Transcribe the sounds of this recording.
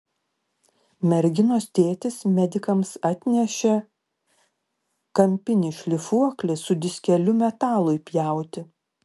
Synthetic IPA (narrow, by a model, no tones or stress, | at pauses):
mʲɛɾʲɡʲɪnoːst̪ʲeːt̪ʲɪsmʲɛd̪ʲɪkɐmsɐt̪ʲnʲɛʃʲɛ | kɐmʲpʲɪnʲɪːʃʲlʲɪfuɔklʲɪsʊd̪ʲɪsʲkʲɛlʲʊmʲɛt̪ɑːlˠʊɪpʲjæˑʊt̪ʲɪ